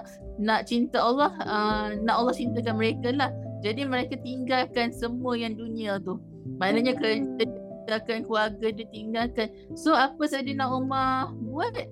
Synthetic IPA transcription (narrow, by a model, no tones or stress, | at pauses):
naʔt͡ʃint̪aɔlːɔhənãʔɔlːɔht͡ʃint̪akanməɾekalahd͡ʒadiməɾekat̪iŋɡalkansəmuəjaŋduniat̪u | manaɲakəɾət̪ədiit̪akankluarɡadit̪iŋɡalkan | soapəsad͡ʒənãʔumahbuat̪̚